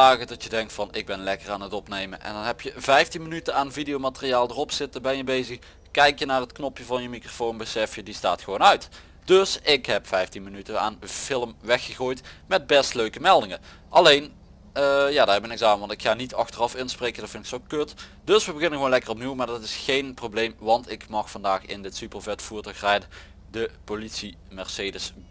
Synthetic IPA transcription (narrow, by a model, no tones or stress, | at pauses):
aːɣədɑtjədɛŋk̚tfɑnɪɡ̚bɛnlɛkəraːnətɔpnejmənʔɛ̰ndɑnɦɛpjəvɛjftinmənytənaːnvidijowmatərijaːlˠdərɔpsɪtəbɛnjəbejzəx | kɛjkjənaːrɦətknɔpjəvɑnjəmikrofownbəsɛfjədista̰ːtxəʋownœɥt | d̥ɵsɪkɦɛpfɛjftinmənytəna̰ːnfɪləmʋɛxəɣoːjtmɛd̚bɛstløɥkəmɛlˠdɪŋə | ʔɑlejn | əjaːdaːbɛnɪkzaːənʋɑntɪkxaːnitɑxtərɑfɪnsprejkəndɑtfɪntɪksokøtd̥ɵsʋəbəɣɪnəɣəʋoːnlɛkərɔp̚niwmaːɹdɑtɪsxejnprowblejmʋɑntɪkmɑxfɑndaːxɪ̰ndɪtsypəlˠvɛtfuːɹtɔxrɛjdə | dəpolitsi | mɛɹseːdəs